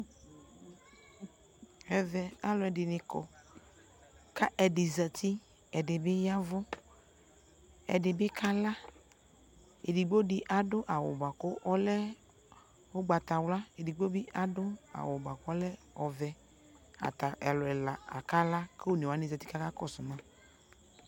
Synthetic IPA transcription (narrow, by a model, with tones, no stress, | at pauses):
ɛ˨vɛ˨a˨lɔ˨ɛ˨dɪ˨nɪ̃˨kɔ̰˨ | ka˦ʔɛ˨dɪ˨zɛ˨t̪ʰi˦ | ɛ˨dɪ˨bɪ˦ja˦vʊ˦ | ɛ̰˨dɪ˨bɪ˦kʰa˦la˦ | ḛ˨di˨ɡ͡bo˦dɪ˨ʔa˨dʊ˦ʔa˨wʊ̰˨ba˨kʊ˦ʔɔ˦lɛ˦ | o˦ɡ͡ba˨t̪a˨wla˦e˨di˨ɡ͡bo˦bɪ˦ʔa˨dʊ˦a̰˨wʊ˨ba˨kʊ˦ɔ˦lɛ˦ | ɔ˨vɛ˨ | a̰˨t̪a˨ʔɛ˨lɔ˨ɛ˨la˨a̰˨ka˦la˦ke˦o˦˨ne˨wa˨˦nɪ˨za˨t̪i˦ka˦ka˦kɔ˨sʊ˨mã˦